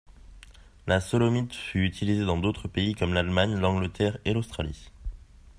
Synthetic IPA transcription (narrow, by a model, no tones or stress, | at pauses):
lasɔlɔmit̪fyyt̪ʰilized̪ɑ̃d̪ot̪χəpeikɔmlalmaɲlɑ̃ɡlət̪ʰɛʁelost̪χalḭ